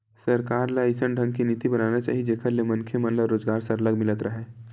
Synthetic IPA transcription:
sɐɾkaːɾlaisənɖʱə̃ŋɡkiniːt̪ibɐnaːnat͡ʃa̰ːɦid͡ʒeːkʰəɾlemɐnkʰemə̃nləɾoːd͡ʒɡaːɾseɐləɡmɪlət̪ɾɐɦeː

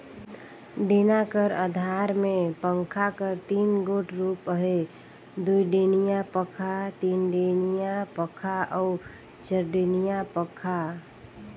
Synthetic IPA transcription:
ɖeːnakəɾəd̪ʱaːɾmẽpə̃ŋkʰakəɾt̪iːnɡoːʈɾuːpəɦe | d̪uiɖeːnijapəkʰat̪iːnɖeːnijapəkʰaɔː | d͡ʒəɾɖeːnijapəkʰa

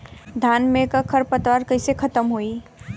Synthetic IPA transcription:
d̪ʱanmekəkʰəɾpət̪waɾkəɪsekʰət̪əmɦoi

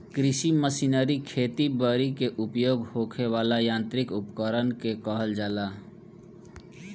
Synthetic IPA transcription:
kɾɪsiməsinəɾikʰeːt̪ibəɾikeʔupjoːɡhokʰeʋaːlajãːnt̪ɾikʊpkəɾənkekəɦəld͡ʒaːla

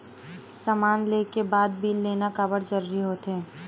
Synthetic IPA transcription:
saːmaːnleːkebaːd̪̚bʱiːlːeːnakəbəɾd͡ʒɐɾuɾiɦoːt̪ɦɛ̃ː

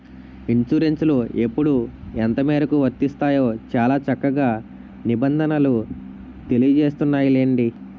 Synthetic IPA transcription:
iɳt͡ʃuɾe̞nslue̞pːuɽuent̪ɐmeːɾɐkuʋɐt̪ːist̪aːjo̞ːt͡ʃaːlaːt͡ʃɐkːɐɡaː | nibɐnd̪ʱɐnɐlu | t̪e̞lijɐd͡ʒeːst̪unːaːjuleːɳɖi

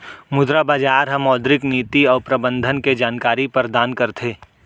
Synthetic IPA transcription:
mʊd̪ɾabaːd͡ʒaːɾɦɐ̃mɔːd̪ɾɪkniːt̪iɔːɾpɾɐbə̃nd̪ʱənked͡ʒaːnkaːɾipɐɾd̪aːnkɐɾt̪ʰeː

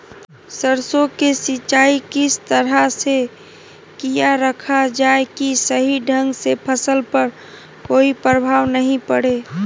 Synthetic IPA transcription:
səɾsokesɪt͡ʃːt͡ʃaːikɪst̪əɾɦase | kijaɾəkʰad͡ʒaːekisəɦiɖʱə̃ŋɡsepʰəsəlpəɾ | koːipɾəbʱaːʋnəɦĩpəɽe

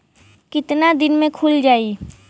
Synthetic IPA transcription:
kɪt̪nad̪ɪnmẽkʰʊld͡ʒaːi

